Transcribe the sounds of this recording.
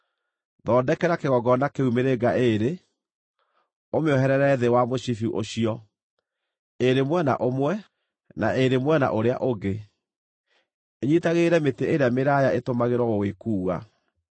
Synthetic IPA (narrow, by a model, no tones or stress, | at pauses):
ðɔːdɛkɛɾakeɣɔɡɔnakeumeɾeɡaʔeɾe | omeɔɦɛɾɛɾɛðewamoɕifuʔoɕiɔ | eɾemwɛna̰ʔomwɛ | naʔeɾemwɛna̰ʔoɾea̰ʔoɡe | eɲitaɣeɾɛmeteʔeɾeameɾajaetomaɣeɾwɔɣoɣwekuːɣa̰